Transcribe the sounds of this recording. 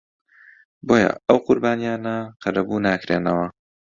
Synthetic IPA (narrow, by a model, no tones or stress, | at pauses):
bo̞ːjɐ̰ɐwqʊɾbaːnijaːnɐqʰɐɾɐbunaːkɾeːnɐwɐ